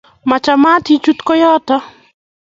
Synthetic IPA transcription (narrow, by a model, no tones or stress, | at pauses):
mat͡ʃamat̪it͡ʃut̪kɔjɔt̪ɔ